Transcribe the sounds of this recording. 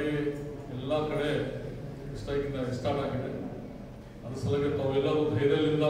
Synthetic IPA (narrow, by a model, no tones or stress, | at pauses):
ɡi | ɛlːakɐɽe | ɛsʈaːkind̪ɐisʈaːʈaːɡit̪e | ɐd̪ɐsɐlɐkːet̪aːɾuɛlːɐɾub̪ʱɐjɾɐɐlːind̪ɐ